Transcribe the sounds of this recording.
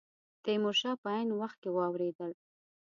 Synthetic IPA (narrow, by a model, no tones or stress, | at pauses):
t̪emoʃɑpəajnwaxt̪̚kewɑwɾed̪əl